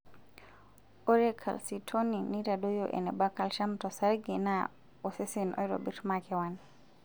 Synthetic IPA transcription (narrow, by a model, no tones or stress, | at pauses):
ɔɾɛkʰa̰lsitʰoninitadɔjɔʔɛ̰nɛbakalʃamtɔsaɾɡɛna | ɔsesinʔɔ̰jɾɔ̰biɾmakɛwan